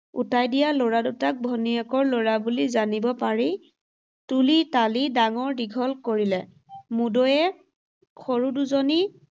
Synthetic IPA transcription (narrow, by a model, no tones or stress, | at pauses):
ṵtajdijalɔɹadutak̚bʱɔniɛkɔɹlɔɹabulizanibɔpaɹi | tulitalidaŋɔɹdiɡʱɔlkoɹilɛ | mudɔjɛ | kʰɔɹuduzoni